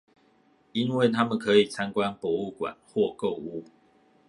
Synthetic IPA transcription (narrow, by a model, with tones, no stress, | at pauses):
i˦nwe˥˨ɪt̪ʰa˥mə˨nkʰɤ˨˦i˨˩t͡sʰa˦nkwa˦npwɔ˨˦u˥˩kwa̰˨˩nhwɔ˥˨ko˥˨ʊu˦